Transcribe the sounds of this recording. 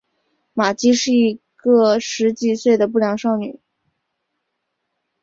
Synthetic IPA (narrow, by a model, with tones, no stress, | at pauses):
ma˨˩t͡ɕi˥ʂɻ̩˥˩i˧˥ | ɡɤ˥˧ʂɻ̩˧˥t͡ɕi˨˩swe˥˩ɪd̪ə˩p̬u˥˩ljɑ˧˥ŋʂɑ˥˩ʊny̰˨˩˦